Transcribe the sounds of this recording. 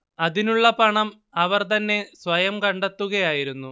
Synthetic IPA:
ɐðinuɭːɐpɐɳɐm | ɐʋɐrt̪ɐnːe̞sʋɐjɐmkɐɳɖet̪ːuɣɐjaːjiɾunːu

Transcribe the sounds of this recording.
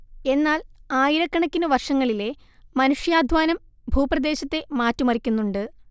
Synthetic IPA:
e̞nːaːlaːjiɾɐkːɐɳɐkʲːinɨʋɐrʂɐŋːɐɭile̞ | mɐnuʂjaːd̪ʱʋaːnɐm | bʱuːprɐd̪e̞ːɕɐt̪ːe̞maːtːumɐrikʲːunːuɳɖɨ

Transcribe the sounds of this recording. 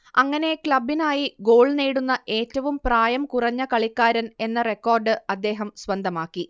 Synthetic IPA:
ɐŋːɐne̞kɭɐbːinaːjiɡo̞ːɭniːɽunːɐʔe̞ːtːɐʋumpraːjɐmkurɐɲːɐkɐɭikːaːɾɐne̞nːɐre̞kːo̞ːrɖɨɐd̪ːe̞ːɦɐmsʋɐnd̪ʱɐmaːkːi

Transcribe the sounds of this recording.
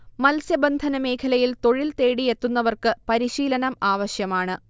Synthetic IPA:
mɐlsjɐbɐnd̪ʱɐnɐme̞ːkʰɐlɐjilt̪o̞ɻilt̪eːɽije̞t̪ːun̪ːɐʋɐrkɨpɐɾiɕiːlɐnɐmaːʋɐɕjɐmaːɳɨ

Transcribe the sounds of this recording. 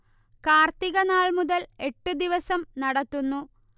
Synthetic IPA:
kaːrt̪iɣɐnaːɭmuðɐle̞ʈːɨd̪iʋɐsɐmnɐɽɐt̪ːunːu

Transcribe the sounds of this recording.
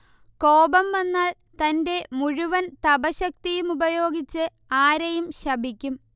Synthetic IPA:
ko̞ːbɐmʋɐnːaːl | t̪ɐnde̞muɻuʋɐnt̪ɐbɐɕɐk̚t̪ijumubɐjo̞ːɡit͡ɕːɨ | aːɾɐjumɕɐbʱikʲːum

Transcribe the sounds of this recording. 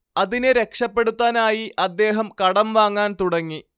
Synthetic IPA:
ɐðineɾe̞kʂɐpːe̞ɽut̪ːaːnaːjiʔɐd̪ːe̞ːɦɐmkɐɽɐmʋaːŋːaːnt̪uɽɐŋːi

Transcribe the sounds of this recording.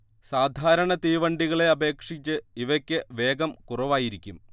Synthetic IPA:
saːd̪ʱaːɾɐɳɐt̪iːʋɐɳɖiɣɐɭe̞ɐbʱe̞ːkʂit͡ɕːɨiʋɐkʲːɨʋe̞ːɡɐmkurɐʋaːjiɾikʲːum

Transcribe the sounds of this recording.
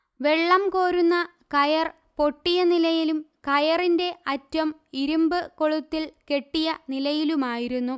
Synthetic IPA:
ʋe̞ɭːɐmko̞ːɾunːɐ | kɐjɐr | po̞ʈːijɐnilɐjilumkɐjɐrinde̞ʔɐtːɐmiɾumbɨkoɭut̪ːilke̞ʈːijɐnilɐjilumaːjiɾunːu

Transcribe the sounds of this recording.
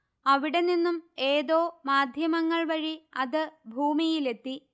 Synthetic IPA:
ɐʋiɽe̞ninːume̞ːðo̞ːmaːd̪ʱjɐmɐŋːɐɭʋɐɻiɐðɨbʱuːmijile̞t̪ːi

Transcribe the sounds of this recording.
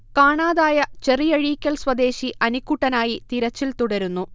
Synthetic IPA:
kaːɳaːðaːjɐt͡ɕe̞rijɐɻiːkʲːɐlswɐd̪e̞ːɕiʔɐnikːuʈːɐnaːjit̪iɾɐt͡ɕːilt̪uɽɐɾunːu

